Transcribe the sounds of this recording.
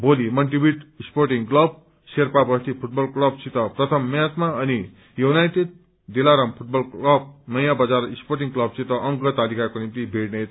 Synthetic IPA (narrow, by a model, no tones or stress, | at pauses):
bolimʌnʈibiʈisporʈiŋklʌb̚ | serpabʌst̪ipʰuʈ̚bʌlklʌb̚sʰit̪ʌprʌt̪ʰʌmːat̪maʌni | junajʈed̚ | d̪elaɾʌmpʰuʈ̚bʌlklʌb̚nʌjãbʌd͡zarisporʈiŋklʌb̚sit̪ʌʔʌŋkʌt̪alikakonimt̪ibʱeɽnet̪